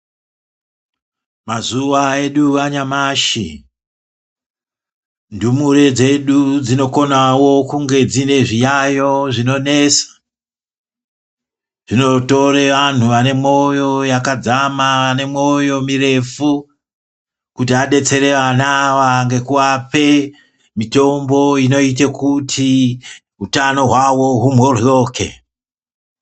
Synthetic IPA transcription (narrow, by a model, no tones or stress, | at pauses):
mazuʋae̞ɗuʋaɲamaʃḭ | ndumuɾe̞d͡ze̞ɗud͡zino̞ko̞nawo̞kuŋɡe̞d͡zine̞ʐijajo̞ʐino̞ne̞sḁ | ʐ̥ino̞to̞reʋan̤uʋane̞mo̞jo̞jakad͡zamaʋane̞mo̞jo̞mire̞fu | kutiaɗe̞t͡se̞ɾe̞ʋanaʋaŋɡe̞kuwape̞ | mito̞mbo̞ino̞it̬ekutʰi | ɦutano̞ɦwawo̞ɦumworjo̞ːkḛ